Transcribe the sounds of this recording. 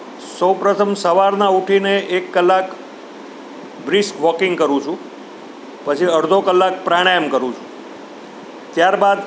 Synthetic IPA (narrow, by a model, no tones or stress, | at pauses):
səwpɾət̪ʰəmsəʋaɾnauʈʰineʔekːəlːak | bɾɪskʋɔkɪŋɡkəɾũt͡ʃʰũ | pət͡ʃʰiəɾd̪ʱokəlːak̚pɾaɽ̃ajəmkəɾũt͡ʃʰũ̥ | t̪jaɾbad̪